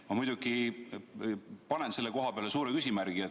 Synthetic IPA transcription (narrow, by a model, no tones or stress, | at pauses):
mɑmujd̪̥uɡi | pɑnense̞lːeko̞ɦɑpeɑle̞suːɾekysʲimæɾɡ̥iet̪